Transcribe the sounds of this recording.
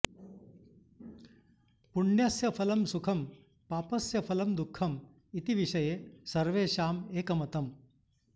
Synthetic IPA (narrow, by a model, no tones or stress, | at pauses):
puɳjɐsjɐpʰɐlɐmsukʰɐm | paːpɐsjɐpʰɐlɐmd̪ukʰːɐm | it̪iʋiʂɐjeːsɐɾʋeːʃaːmeːkɐmɐt̪ɐm